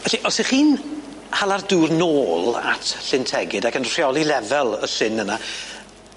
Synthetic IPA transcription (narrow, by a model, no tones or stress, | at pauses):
ɛɬiʔɔsiχiːn | halˠarduːrnoːlˠa̰tʰɬɪntʰɛɡɨdakənr̥jɔlˠilɛvɛlˠəɬɪnəna